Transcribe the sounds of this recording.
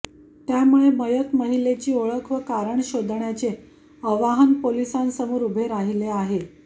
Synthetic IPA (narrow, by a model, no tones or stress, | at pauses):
t̪jamuɭeməjət̪məɦilet͡ɕiːoɭəkʰʋəkaɾəɳɕod̪ʱɳjat͡se | əʋaɦənpolisansəmuːɾubʱeɾaɦileaɦe